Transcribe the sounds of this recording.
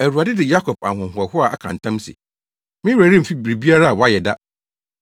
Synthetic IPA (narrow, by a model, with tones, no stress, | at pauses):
æ˨ɾu˨a˨dɪ˦dɪ˨ja˦kʰɔ˨p̚a̰˨ɦʊ̃˨ɦʊ˨ɛ˨hʊ˦a˨a̰˨kʰã̰˨n̩˨tʰã˦msɪ̰˨ | mɪ̃˦wæ˨ɾĩ˦m̩˨fi˦bi˨ɾi˨bi˦a˦ɾa˦a˨wɔ˨˦a˦jɛ˨da˦